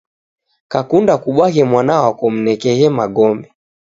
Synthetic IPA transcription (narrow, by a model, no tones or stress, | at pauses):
kakundakuɓwaɦɛmwanawakɔm̩nɛkɛhɛmaɡɔmbɛ